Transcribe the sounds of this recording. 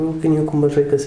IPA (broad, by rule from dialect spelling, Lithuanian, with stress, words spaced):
ˈuːkʲɪnʲiːkuː mɐˈʒɐɪ kɐs